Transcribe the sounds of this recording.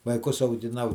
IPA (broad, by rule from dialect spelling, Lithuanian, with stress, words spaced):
ʋɐɪˈkʊs ɐʊɡʲɪˈnɐʊ